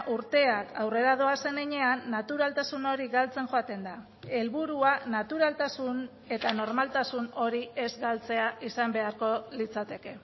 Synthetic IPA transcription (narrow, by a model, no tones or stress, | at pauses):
ʔuɾt̪e̞akʰawre̞ɾað̞o̞ase̞neɲe̞anːat̪uɾalt̪asuno̞ɾiɣalt͡se̞ŋʝo̞at̪e̞nd̪a | e̞lβuɾuanat̪uɾalt̪asun | e̞t̪ano̞ɾmalt̪asuno̞ɾie̞zɡalt͡se̞aʔisambe̞aɾko̞lit͡sat̪e̞ke̞